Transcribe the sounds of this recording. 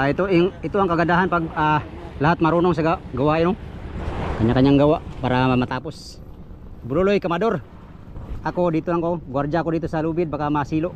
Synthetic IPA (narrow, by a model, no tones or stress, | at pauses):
ait̪uŋit̪uaŋkaɡadaɦanpaɡa | laɦat̪̚maɾunɔŋs̬aɡaɡawaɪno | kaɲakaɲaŋɡawaʔpaɾaamat̪apʊs | bulolojkamadɔr | ʔakodit̪ulaŋkoɡward͡ʒaakodit̪usalubɪd̪̚bakamasiloʔ